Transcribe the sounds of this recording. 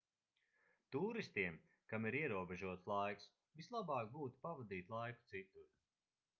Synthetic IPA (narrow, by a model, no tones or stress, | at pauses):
t̪uːɾist̪iɛm | kamiɾiɛɾuɔbeʒuɔt̪slˠajks | vislˠabɑːk̚ɡuːt̪u̥pavad̪iːt̪ʲlˠajku̥t̪sit̪uɾ